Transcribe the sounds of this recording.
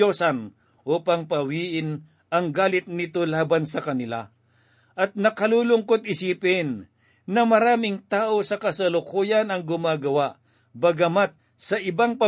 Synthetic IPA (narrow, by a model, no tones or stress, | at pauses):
osɐn | ʔuːpɐŋpɐwiːʔɪn | ʔɐŋɡaːlɪt̪̚nɪt̪olaːbansɐkɐnɪla̰ | ʔɐt̪̚nɐkɐluːlʊŋkot̪ɪsiːpɪnː | ɐmɐɾaːmɪŋt̪aːʔo̞sɐkɐsɐlʊkuːjɐnɐŋɡʊmaːɡɐwaʔ | bɐɡɐmat̪̚ | sɐʔɪbaŋpɐ